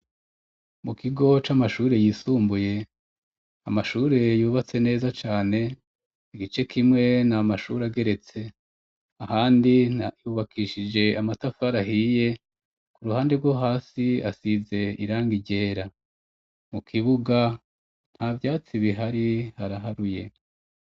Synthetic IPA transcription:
mukʰiɡo̞t͡ʃamaʃuːɾe̞jiːsuːmbuje̞ | amaʃuːɾe̞juːβat͡se̞ne̞ːzat͡ʃaːne̞ | iɡit͡ʃe̞kʰimŋe̞namaʃuːɾeaɡe̞ɾe̞t͡se̞ | ahaːndijuːβakʰiʃid͡ʒe̞amatafaɾaɦiːje̞ | kuɾuhaːnde̞ɡwoɦaːsia̰size̞iɾaːŋɡiɟe̞ːɾa | mukʰiβuɡa | n̥havjaːt͡siβiɦaɾihaɾaɦaɾujḛ

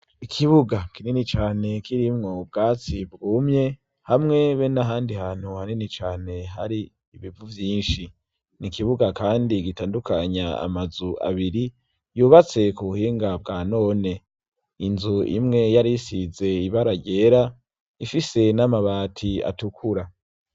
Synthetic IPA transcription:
ikʰiβuɡakinenit͡ʃaːne̞kiɾimŋo̞b̚ɡaːt͡sibɡuːmɲe̞ | hamŋe̞βenaɦaːndihaːn̥huhanenit͡ʃaːne̞ɦaɾiː | βivuvjiːnʃi | nikiβuɡakaːndiɡitaːndukaɲaa̰mazua̰βiɾi | juːβat͡se̞kuβuhiːŋɡabɡaːno̞ːne̞ | inzuḭmŋe̞jaɾisize̞iβaɾaɟe̞ːɾa | ifise̞namaβaːtʰia̰tukʰuɾa

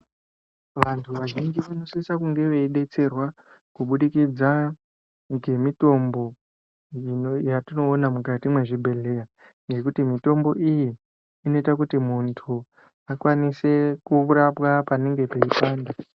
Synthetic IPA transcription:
ʋantʰuʋaʒind͡ʒiʋano̞sisakuŋɡe̞ʋe̞iɗe̞t͡se̞rwa | kuɓuɗikid͡za | ŋɡe̞mito̞mbo̞ | ijatino̞ːnamukatimwe̞ʐibʱe̞ɮe̞ja | ŋɡe̞kutimito̞mbo̞ʔijiː | no̞itakutimuntʰu | akwanise̞kuuɾapwapane̞ŋɡe̞pe̞ipaːnda

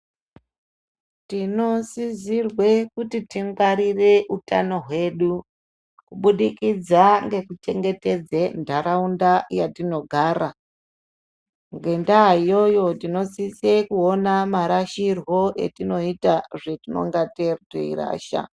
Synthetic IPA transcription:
tino̞sizirwe̞kutitiŋɡwaɾire̞ʔuta̰no̞ɦwe̞ːɗu | kuɓuɗikid͡zaŋɡe̞kut͡ʃe̞ŋɡe̞te̞d͡zendʱaɾaundajatino̞ɡʱaːɾa | ŋɡe̞ndaijo̞jo̞tino̞sisekuonamaɾaʃirwo̞ʔe̞̰tino̞itaʐetino̞̰ŋɡatertḛḭra̰ːʃa̰

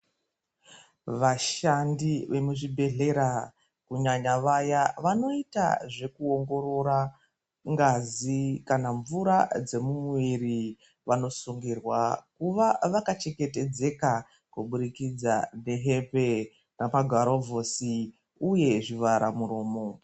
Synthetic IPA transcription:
ʋaʃandiʋe̞muʐibʱe̞ɮe̞ɾa | kuɲaɲaʋajaʋano̞ita̰ʐe̞kuo̞ŋɡo̞ɾo̞ɾa | ŋɡazikanaɱvuɾad͡ze̞mumwiri | ʋano̞suŋɡirwakuʋaʋakat͡ʃe̞ke̞te̞d͡ze̞ka | kuɓuɾikid͡zane̞ɦepe̞ | ramaɡʱaɾovʱo̞si | uje̞ʐiʋaɾamuɾo̞ːmo̞

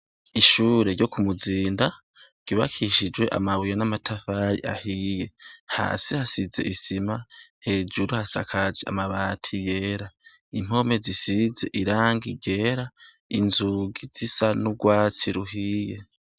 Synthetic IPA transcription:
iʃuːɾe̞ɾɟo̞kumuziːnda | ɡ̥iβa̰kʰiʃid͡ʒwe̞ʔa̰maβujanamatʰafaɾḭʔa̰hije̞ha̰ːsihasize̞̰ʔisimahe̞ːd͡ʒuɾuhasa̰kʰad͡ʒea̰maβatʰije̞ːɾa | im̥o̞me̞zisize̞ʔiɾaːŋɡiɾɟe̞ːɾa | inzuɡiz̥isanuɡwaːt͡siɾuɦiːje̞

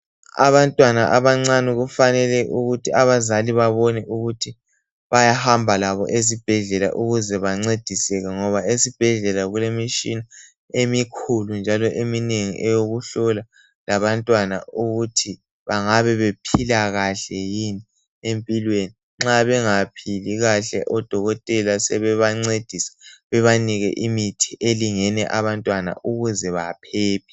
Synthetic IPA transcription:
a̰βantʼwanaʔaβaŋ͡ǀanuɣufanɛlɛʔuɣutʰiaβazaliβaβɔnɛʔuɣutʰi | βajahambʱalaβɔ̰ʔezib̥ʱɛɮɛla̰ʔuɣuzɛβaŋ͡ǀed̥ʱisɛɣɛŋɔβaesib̥ʱɛɮɛlaɣulemiʃina | emikʰulund͡ʒʱalɔʔemineŋḭʔɛjoɣuɬɔla | laβantʼwana̰uɣutʰi | βaŋaβɛβepʰilaɣaɬɛjini | empʼilweni | ŋ͡ǁaβɛŋapʰiliɣaɬɛ̰ʔɔd̥ʱɔɣɔtʼɛlasɛβɛβaŋ͡ǀed̥ʱisɛ̥βɛβaniɣɛ̰ʔimitʰiʔeliŋɛnɛʔaβantʼwana̰ʔuɣuzɛβapʰɛːpʰi̥

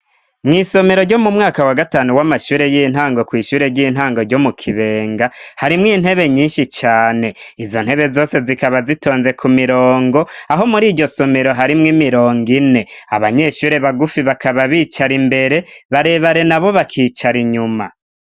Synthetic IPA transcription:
mŋiːso̞me̞ɾo̞ɾɟo̞mumŋaːkawaɡataːnuwamaʃuːɾe̞jin̥haːŋɡo̞kwiːʃuːɾe̞ɾɟiːn̥ɦaːŋɡo̞ɾɟo̞mukʰiβe̞ːŋɡahaɾimŋiːn̥he̞βe̞ɲiːnʃit͡ʃaːne̞izo̞n̥he̞βe̞zo̞ːse̞zikaβazito̞ːnze̞kʰumiɾoːŋɡo̞aɦo̞muɾiːdɟo̞so̞me̞ɾo̞ɦaɾimŋimiɾo̞ːŋɡine̞aβaɲe̞ʃuːɾe̞βaɡufiβakaβaβiːt͡ʃaɾimbe̞ɾe̞βaɾe̞ːβaɾe̞naβo̞βakʰiːt͡ʃaɾiɲuma̰

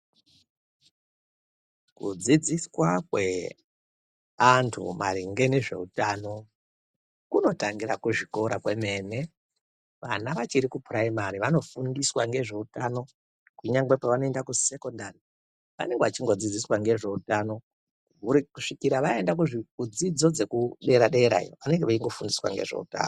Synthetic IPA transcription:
kṵd͡zid͡ziswakwe̞ | antʰṵma̰riŋɡe̞neʐe̞̰utaːno̞ | kuno̞taŋɡiɾakuʐikoɾakwe̞me̞ːne̞ | ʋanaʋat͡ʃiɾikupʰraimaɾiʋano̞fundiswaŋɡe̞ʐe̞utano̞ | kuɲaŋɡwe̞paʋanoe̞ndakuse̞ko̞ndari | ʋa̰ne̞ŋɡeʋat͡ʃiŋɡo̞d͡zid͡ziswaŋɡe̞ʐe̞utano̞ | ukuʂikiɾaʋaendak̬uʐikud͡zid͡zo̞d͡ze̞kuɗe̞ɾaɗe̞ɾa̰joʋane̞ŋɡeʋaiŋɡo̞fundiswa̰ŋɡe̞̰ʐe̞̰ṵta̰ːno

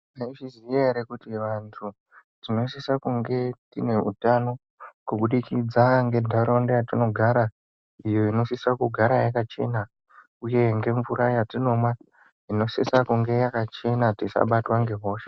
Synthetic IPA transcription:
maiʐizieeɾekutiʋantʰu | d͡zino̞isisakuŋɡe̞tine̞ṵtano̞ | kuɓuɗikid͡zaŋɡe̞dʱaɾondejatino̞ɡʱaɾa | ijoino̞sisakuɡʱaɾajakat͡ʃe̞̰na | uje̞ŋɡe̞ɱvuɾajatino̞mwa | ino̞sisakuŋɡe̞jakat͡ʃe̞natisa̰ɓatwaŋɡe̞ɦo̞ːʃe

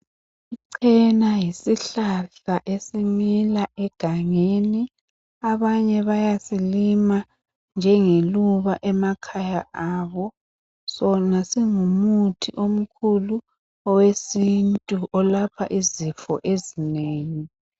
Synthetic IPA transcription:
iǀʰɛnajisiɬaɬaʔesimilaʔɛɡ̥ʱaŋeni | aβaɲɛβajasilima | nd͡ʒʱɛŋeluβaʔɛmakʰajaʔaːβɔ | sɔnasiŋumutʰiʔom̩kʰulu | ɔwesintʼuʔɔlapʰa̰ʔizifɔ̰ʔezineːŋi

